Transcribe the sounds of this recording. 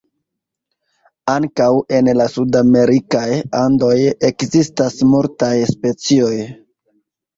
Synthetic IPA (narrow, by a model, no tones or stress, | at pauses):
aŋkawe̞nlasudame̞ɾikajando̞je̞kzistasmultajspe̞t͡sio̞j